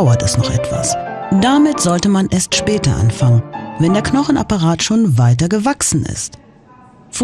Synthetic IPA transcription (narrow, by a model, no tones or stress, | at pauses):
ʊɐtɛsnɔχʔɛtv̥a̰sd̥amɪtz̥ɔltəmanʔeːɐstʃpɛːtɐ̰ʔa̰nfaŋənvɛndeːɐknɔχn̩a̰paʁaːtʃoːnvaɪtɐɡəvaksn̩ɪ̰st | f